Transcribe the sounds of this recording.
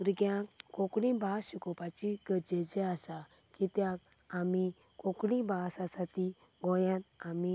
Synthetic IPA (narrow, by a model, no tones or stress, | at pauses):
uɾɡjãkokɽĩbʱaːsikɔpat͡ʃiɡəd͡ʒɛd͡ʒɛasa | kit̪jak̚ | ami | kokɽĩbʱaːsasat̪i | ɡɔjãt̪ami